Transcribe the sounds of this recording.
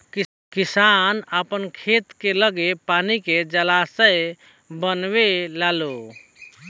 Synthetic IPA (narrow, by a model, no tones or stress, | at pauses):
kisanəpənkʰet̪keləɡepaniked͡ʒəlasəj | bənwelalo